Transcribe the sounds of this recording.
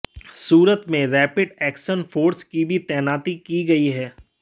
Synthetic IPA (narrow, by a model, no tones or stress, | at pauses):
suːɾət̪mẽɾɛːpɪɖɛːkʃənfʰoːɾskibʱit̪ɛːnaːt̪ikiɡɐiɦɛː